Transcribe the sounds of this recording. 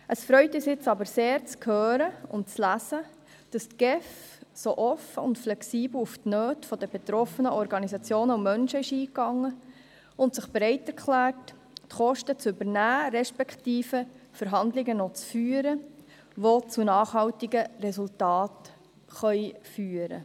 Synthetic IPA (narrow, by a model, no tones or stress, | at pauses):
ʔəsfɾœʏtisɪt͡sɑbəɾseːɾt͡skʰhøːɾəʊ̰nt̚t͡slæsə | d̥ɑst̪ɡ̥ɛf | soʔɔfəʊ̰ntflɛksiːbl̩uftnøːtfɔd̥əbet̪ɾɔfənəʔɔɾɡɑnisɑt͡sjoːnəumœnʃəɪʃiːkːɑŋːə | ʊntsəχb̥ɾɛɪtɛɾkχlæːrt | tχɔʃtət͡sʏbənæːɾɛʃpɛktiːfəfəɾɦɑndlɪɡənɔt͡sfyːəɾə | ʋot͡sunɑːχɦɑltɪɡərɛsultɑːt | χœʏfyːəɾə̰